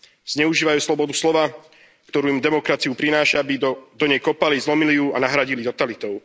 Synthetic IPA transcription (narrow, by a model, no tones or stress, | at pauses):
z̥ɲɛuʒiːʋajuːslɔbɔd̪uslɔʋaː | kt̪ɔɾuːimd̪ɛmɔkɾat͡siupɾinaːʃaabid̪ɔɲɛjkɔpalizlɔmilijuanaɦɾaɟilit̪ɔt̪alit̪ɔʊ